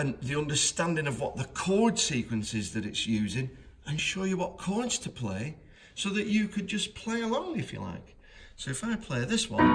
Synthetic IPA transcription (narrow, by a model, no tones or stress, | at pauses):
ə̃nðiʌ̃ndə˞stãndɪ̃ŋʌvwɒʔ̪̚ðəkʰɔɹd̥siˑkwə̃nsɪzðɨɾɨtsjʉːzɪ̃ŋ | ə̃nʃoʊjəwɒʔ̚kʰɔɹdz̥tʰəpʰl̥eɪ | soʊðɨt͡ʃɨkʰɨd̚d͡ʒʌspʰl̥eɪəlɔ̃ʊ̃ŋɪfjə̰la̰ɪk | soʊɪfaɪpʰl̥eɪðɪswʌ̰̃n